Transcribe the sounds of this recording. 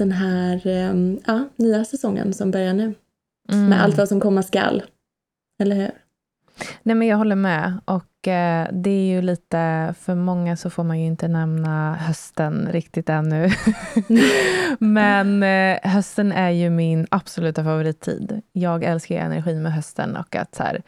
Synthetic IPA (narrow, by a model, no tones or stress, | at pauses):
d̪̥ɛnɦæːɾɑːnyːasɛsɔŋːə̰nsɔmbœɾjanʉː | mɛʔa̰lt̪vasɔmkʰɔmːaska̰l | ɛlːəɾhʉ̟ːɾ | nɛːmɛnjɑːɡɦɔlːəɾmɛʔɔkd̪ɛæɾjɵliːt̪əfœɾmɔŋːasɔfoːɾmanjɵɪnt̪ənɛmnaɦœst̪ənɾɪkt̪ɪt̪ɛnːɵ | mɛnɦœst̪ənæɾjɵmɪnab̥sɔlʉ̟ːt̪afavʊɾiːt̪ʰːḭːd̪jɑːɡɛlskaɾɛ̰næ̰ɾɧiːnmɛɦœst̪ʰə̰nɔ̰kːa̰t̪sæ̰ːɾ